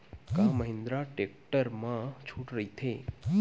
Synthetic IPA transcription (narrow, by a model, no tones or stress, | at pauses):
kãməɦɪ̃nd̪ɾaʈek̚ʈəɾmãt͡ʃʰuʈɾəɦit̪ʰe